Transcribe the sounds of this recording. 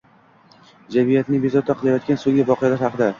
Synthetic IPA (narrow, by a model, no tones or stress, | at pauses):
d͡ʒamijat̪nɪŋbezɒt̪ʰːaqʰɨlˠajɒt̪̚kʲansoŋɡʲɪvɒqɨjalaɾhɑqɨd̪a